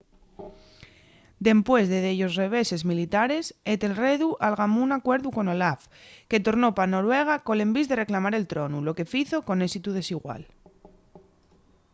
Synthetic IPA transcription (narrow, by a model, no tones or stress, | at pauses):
d̪e̞mpwe̞zðeðeʎo̞sre̞β̞e̞se̞zmilit̪aɾe̞set̪e̞lreðuʔalɣamuunakwe̞ɾðuko̞no̞laf | ke̞t̪o̞ɾno̞pano̞ɾwe̞ɣ̞ako̞le̞mbizðe̞re̞klamaɾe̞lt̪ɾo̞nulo̞ke̞fiθo̞ko̞ne̞sit̪uð̞e̞siɣwa̰l